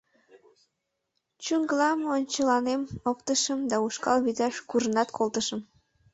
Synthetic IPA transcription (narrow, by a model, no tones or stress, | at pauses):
t͡ɕyŋɡəlɑmonʲt͡ɕəlɑnemopt̪əʃəmd̪ɑuʃkɑ̰lβid̪ɑʃkuʒənɑt̪kʰolt̪əʃəm